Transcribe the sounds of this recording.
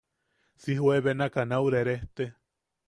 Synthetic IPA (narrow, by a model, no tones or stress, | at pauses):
sihweβenakanauwɾeɾeht̪e